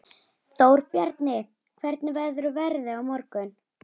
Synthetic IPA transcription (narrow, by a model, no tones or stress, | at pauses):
θoːwɾ̥pjaɾt̪nɪ | kʰvɛɾt̪nɪvaðʏɾʏvɛɾðɪawmɔɾkʏn